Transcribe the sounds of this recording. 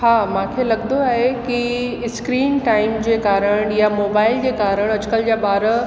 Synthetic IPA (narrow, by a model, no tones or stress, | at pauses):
haːmãːkʰelɐɡnd̪oaːɦekiskɾiːnʈaːɪmd͡ʑeːkaːɾəɽ̃jamoːbaːɪld͡ʑeːkaːɾəɽ̃ɐd͡ʑʊkəld͡ʑaɓaːɾə